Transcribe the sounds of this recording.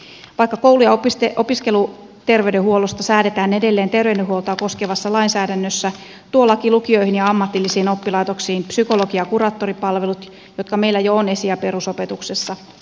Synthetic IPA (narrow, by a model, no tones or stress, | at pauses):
ʋɑikːɑkoulujɑpeopiskelu | t̪e̞rʋeɥdehuolost̪ɑsæːde̞t̪æːnede̞lːeːnt̪e̞rʋeydeɦuolt̪ɑːko̞skeʋɑsːɑlɑinsæːdænːøsːæ | t̪uolːɑkilukio̞ihinjɑɑmːɑt̪ːilːisiːnopːilɑit̪o̞ksiːmpsyko̞lokijɑkuɾɑːt̪ːo̞ripɑlʋe̞lut̪ | jot̪kɑme̞ilːæjoːne̞siæpe̞ɾusope̞t̪uksesːɑ